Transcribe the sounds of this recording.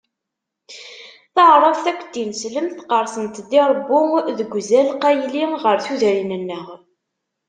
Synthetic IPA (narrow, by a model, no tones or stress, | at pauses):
θəʕɾˤəvθækʷːd̪insləmθqəɾˤsənt̪ðiɾˤəbːʊðəɡʷzælqæjliʁəɾθuðɾinænːəʁ